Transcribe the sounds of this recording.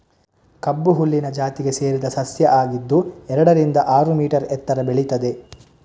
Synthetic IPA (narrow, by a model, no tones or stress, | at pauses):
kɐbːuɦulːinɐd͡ʒaːt̪iɡe̞se̞ːɾid̪ɐsɐsjɐʔaːɡid̪ːuɛɾɐɽɐɾind̪ɐʔaːɾumiːʈɐɾɛt̪ːɐɾɐbeɭit̪ɐd̪e̞